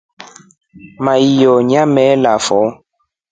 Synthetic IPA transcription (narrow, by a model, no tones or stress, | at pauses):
mãijɔɲãmɛlafɔ